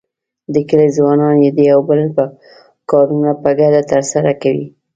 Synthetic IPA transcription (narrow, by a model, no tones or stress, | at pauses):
d̪əkəlezwɑnɑnjed̪əjawbələ | kɑɾunapəɡad̪at̪əɾsaɾakawḭ